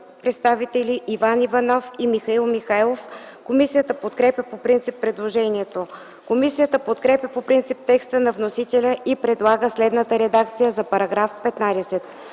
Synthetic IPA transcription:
pɾɛt̪st̪avit̪ɛliʔːvanivɐnɔfimixɐilˠmixajlˠof | komisijət̪əpot̪kɾɛpjʲəpopɾint̪sipːɾɛd̪lˠoʒɛniɛt̪o | komisijət̪əpot̪kɾɛpʲjəpopɾint̪sip̚t̪ɛkst̪ənɐvnosit̪ɛlʲəʔipɾɛd̪lˠaɡəslɛd̪nət̪əɾɛd̪ak̚t̪sijəzɐpɐɾɐɡɾafpɛt̪nad̪ɛsɛt̪

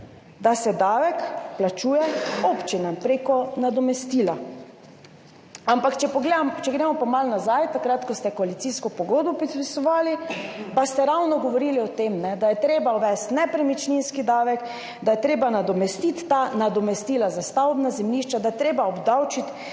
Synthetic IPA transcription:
d̪asɛd̪aːʋɛkplat͡ʃuːjɛopt͡ʃinampɾekɔnad̪ɔmɛst̪iːla | ampakt͡ʃɛpɔɡled̪amt͡ʃɛɡɾeːmɔpamalnazajt̪akɾat̪kɔst̪ɛkɔalit̪siskɔpɔɡod̪bɔpɾiisɔʋaːlipast̪ɛɾawnɔɡɔʋɔɾiːliɔt̪emnɛd̪ajɛt̪ɾeːbawʋɛst̪nɛpɾɛmit͡ʃninskid̪aːʋɛk | d̪ajɛt̪ɾeːbanad̪ɔmɛst̪it̪ːanad̪ɔmɛst̪iːlazast̪awbnazɛmniʃt͡ʃad̪ajɛt̪ɾeːbaɔbd̪awt͡ʃit̪

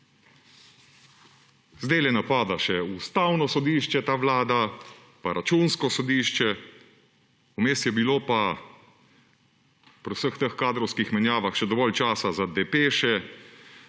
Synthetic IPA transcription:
zd̪eːlɛnapaːd̪aʃɛust̪awnɔsɔd̪iːʃt͡ʃɛt̪aːʋlaːd̪a | paɾʔat͡ʃuːnskɔsɔd̪iːʃt͡ʃɛ | umeːst̪jɛbiloːpa | pɾwsəxt̪əxkaːd̪ɾɔwskixmɛnjaːʋaxʃɛd̪ɔʋɔlt͡ʃaːsazad̪ɛpeːʃɛ

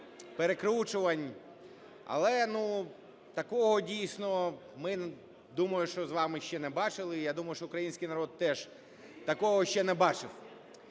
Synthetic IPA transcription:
peɾekɾut͡ʃʊʋɐnʲ | ɐ̰lˠɛnu | t̪ɐkɔɦɔdʲijsʲnɔ | mɪ | d̪umɐjʊʃt͡ʃɔzʋɑmɪʃt͡ʃɛnɛbɑt͡ʃɪlˠɪjad̪umɐjʊʃt͡ʃɔʊkɾɐjinʲsʲkijnɐɾɔd̪̚t̪ɛʒ | t̪ɐkɔɦɔʃʲt͡ʃɛnɛbɑt͡ʃɪw

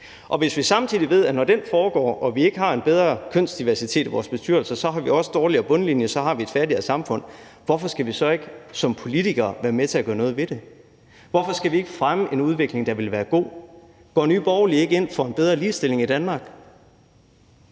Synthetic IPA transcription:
ʔɒ̽ʋe̝sʋisɑ̈mt͡sʰiðˠiʋe̝ð̞̰ˠænɒd̥enfɒːɡ̥ɒ̰ːʔɒ̽ʋie̝ɡ̥əhɑ̈e̝nb̥eð̞ˠʁɐkʰøn̰sd̥iʋæɐsit͡sʰe̝̰ːd̥iʋɒ̰ːsb̥e̝sd̥yɐ̰l̩sɐsɒ̽ɦɑ̈ʋiɒ̽səd̥ɒːliɐb̥ɔ̽nəlinjəsɒ̽ɦɑ̈ʋie̝d̥fæɐɾiɐsɑ̈mfɔ̽n̰ | ʋɒfɒ̽sɡ̥æʋisɒ̽e̝ɡ̥əsɒ̽mpʰo̝lit͡sʰiɡ̥ɐːʋæːɐmet͡sʰe̝æɡ̥ɶ̰ɐnɔ̽ːð̞̩ˠʋe̝d̥e̝ | ʋɒfɒ̽sɡ̥æʋie̝ɡ̥əfʁaməʔe̝nuð̞ˠʋe̝ɡ̥le̝ŋd̥ɑ̈ʋe̝lʋæːɐɡ̥o̝̰ː | ɡ̥ɒ̰ːnyːb̥ɒʊlie̝ɡ̥əe̝n̰fɒ̽e̝nb̥eð̞ˠʁɐliːsd̥e̝l̰e̝ŋid̥ænmɑ̈ːɡ̥

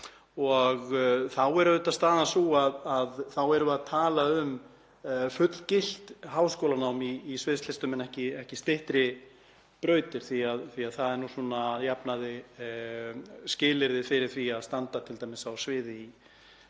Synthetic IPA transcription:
ɔɣθawɛɾʏʏt̪ḁst̪aːðansuaðaðθawɛɾʏaðt̪ʰaːlaʏm | fʏt̪l̥cɪl̥t̪ɦaːwskoːlanaːwmiːsvɪðslɪst̪ʏmɛnɛhcɪɛhcɪst̪ɪht̪ɾɪ | pɾœːɥt̪ɪɾ̥θiaðθiaðθaðɛɾnusuːnajapnaðɪ | scɪːlɪɾðɪfɪɾɪɾ̥θviaðst̪ant̪at̪ʰɪlt̪ajmɪsawsvɪːðɪi

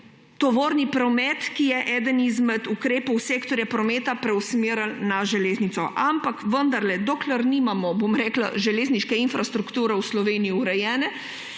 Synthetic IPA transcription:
t̪ɔʋoːɾnipɾɔmɛt̪kijɛʔɛːd̪ənizmɛt̪ukɾeːpɔwseːkt̪ɔɾjapɾɔmeːt̪apɾɛwsmiɾəlnaʒɛleːznit̪sɔ̰ʔampakʋənd̪aɾlɛd̪oːklɛɾnimamɔbomɾɛːkla̰ʒɛleːzniʃkɛinfɾast̪ɾukt̪uːɾɛwslɔʋeːnijiuɾɛjɛːnɛ

